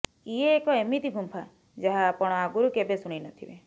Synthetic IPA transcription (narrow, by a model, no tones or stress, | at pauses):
ieːkɔemit̪ibʱumpʰa | d͡ʒaɦaːpɔɽ̃ɔaɡuɾukebesuɽ̃inɔt̪ʰibḛ